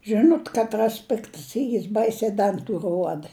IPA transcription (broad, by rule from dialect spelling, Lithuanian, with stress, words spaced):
ˈʒʲɪnoːt ˈkɑːtˈrɐs ˈpʲɪktɐs ˈiːr ˈbɐɪsʲɛɪ ˈdɐntʊ ˈruɔdɐ